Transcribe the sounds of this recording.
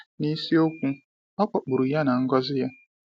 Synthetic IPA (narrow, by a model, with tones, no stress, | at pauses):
ni˦si˦o˦kʷũ˦ | ɔ˦k͡pɔ˨k͡pu˨ɾu˨ja˦na˨ŋ̩˦ɡɔ˦zɪ˦ja˦